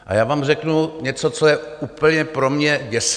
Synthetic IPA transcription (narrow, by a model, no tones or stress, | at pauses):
ʔa̰jaːvaːmrɛknuɲɛt͡sot͡sojɛuːpl̩ɲɛpɾomɲɛɟɛs